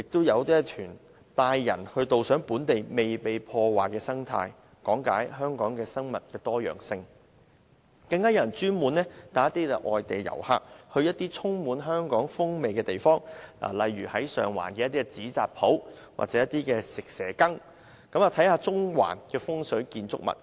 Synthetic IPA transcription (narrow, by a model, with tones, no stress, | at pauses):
jɪ˨k̚t̪o˥wjɐ˨˧wt̪iː˥t̪ʰyː˨˩n | t̪aː˧jːɐ̰˨˩nhɵ˧ɥt̪o˨wsœː˨˥ŋpuː˨˥nt̪e˨jme˨jpe˨jpʰɔː˧waː˨˩jkɛː˧sɐ˥ŋt̪ʰa̰ː˧j | kɔː˨˥ŋkaː˨˥jɦœː˥ŋkɔː˨˥ŋkɛː˧sɐ˥ŋmɐ˨˩t̚kɛː˧t̪ɔː˥jœ̰ː˨˩ŋsɪ˧ŋ | kɐ˧ŋkaː˥jɐ˧˨jnt͡ʃyː˥nmuː˨nɛː˥t̪aː˨˥jɐ˥t̪ːiː˥kɛ˨ʔɔː˨jt̪e˨jjɐ̰˨˩wha̰ː˧k̚hɵ˧ɥjɐ˥t̚t̪iː˥t͡sʰʊ˥ŋmuː˨˥nɦœː˥ŋkɔː˨˥ŋfʊ˥ŋme˨jkɛː˧t̪e˨jfɔː˥ŋla̰ː˨˩lɐ˨jɥyː˨˩hɐ˨˥jsœ̰ː˨ŋwa̰ː˨˩nkɛː˧jɐ˥t̪ːiː˥ɛ˧t͡siː˨˥t͡sa̰ː˨k̚pʰo˨˥w | wa̰ː˨k̚t͡sɛ˨˧jɐ˥t̪iː˥kɛː˧sɪ˨k̚sɛː˨˩kɐ˥ŋ | kɐ˨˥mɐ˨˩t̪ʰɐ˨˥jhaː˧t͡sʊ˥ŋwa̰ː˨˩nkɛː˧fʊ˥ŋsɵ˨˥kiː˧nt͡sʊ̰˥k̚mɐ̰˨˩t̚